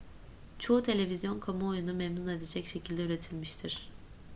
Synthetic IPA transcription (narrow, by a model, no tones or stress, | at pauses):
t͡ʃʰo̞ut̪ʰe̞lʲe̞vizjo̞nkʰamuojunumemnune̞d̪ed͡ʒɛcʃe̞cʰilʲd̪ɛyɾe̞t̪ʰilʲmiʃt̪ʰiɾ̥